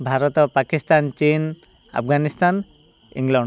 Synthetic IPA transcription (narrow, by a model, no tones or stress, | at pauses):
bʱaɾɔt̪ɔpakist̪ant͡ʃin | a̰p̚ʰɡanist̪an | ḭŋlaɳɖ